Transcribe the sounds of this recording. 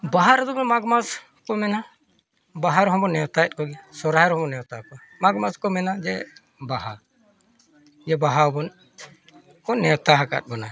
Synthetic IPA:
baɦaɾɛd̪ɔbɔnmaɡmas | kɔmɛna | baɦaɾɔɦɔbɔnɛɔt̪aɛt̪̚kɔɡɛsɔɾaɛɾɔɦɔmɔnɛɔt̪akɔ | maɡmaskɔmɛnad͡ʒɛ | baɦa | d͡ʒɛbaɦaɔbɔn | kɔnɛɔt̪aɦaka̰t̪̚ˀbɔna

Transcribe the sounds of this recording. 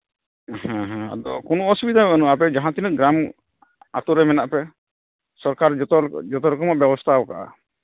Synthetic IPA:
ɦãɦãa̰d̪ɔkɔnɔɔsubid̪ʱabɛanuapɛd͡ʒaɦãt̪inəɡɾam | a̰t̪uɾɛmɛnaʔpɛ | sɔɾkaɾɔd͡ʒɔt̪ɔɾɔkɔmɔʔbjɛbɔst̪ʰabɔka̰ʔa̰

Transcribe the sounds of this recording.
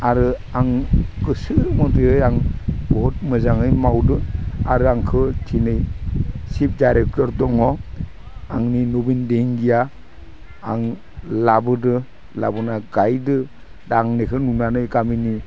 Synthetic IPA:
aɾɯ | aŋɡɯsɯɾmɔtɯɯjaŋbɔt̚mɯzaŋɯjmawdɯa̰ɾɯaŋkʰɯtʰinɯjsip̚dajɾek̚tɔɾdɔŋɔ | aŋninobindeŋɡijaː | ŋ | labɯdɯ | la̰bɯnaɡajdɯ | daŋnekʰɯnunanɯjɡamini

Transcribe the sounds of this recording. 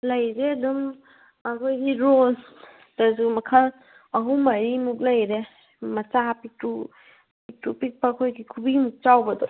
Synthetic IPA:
lɐjzeɐdum | ɐkʰojɡiɾol | tas̬umɐkʰɐl | ɐɦumɐɾimuk̬̚lɐjɾe | mɐt͡ʃapik̚tu | pitupik̚pakʰojɡikʰubimuk̚t͡ʃawbɐdɔw

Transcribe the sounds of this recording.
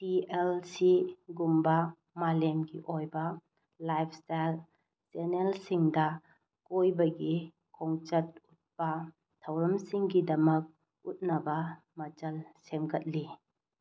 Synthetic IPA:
tielsiɡumbɐ | malemɡiʔojbɐ | lajpʰstajl | senelsiŋdɐ | kojbɐɡi | kʰɔŋt͡ʃɐt̚ut̚pɐ | tʰɐwɾɐmsiŋɡidɐmɐk̚ | ut̚nɐbɐ | mɐt͡ʃɐlsemɡɐt̚li

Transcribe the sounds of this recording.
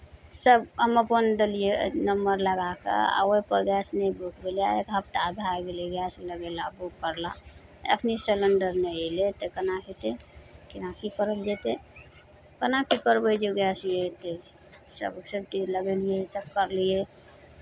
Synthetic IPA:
səbɦəməpənd̪əlijenəmbəɾləɡakḛa̰wopəɡɛsnebukbelijaekəp̚t̪ad̪ʱaɡeleɡɛsləɡelabukkəɾla̰ | ə̰kʰniseləɳɖəɾnəilet̪ekənakʰet̪ekinakikəɾəld͡ʒet̪e | kənakikəɾbəd͡ʒoɡɛsjet̪e | sə̰bkseʈiləɡeliesəb̚kəɾlie

